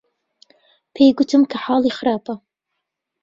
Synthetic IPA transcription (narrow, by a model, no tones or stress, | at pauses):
pʰejɡʊt̪ʰɨmkʰɐħaːlˠiːxɪɾaːpɐ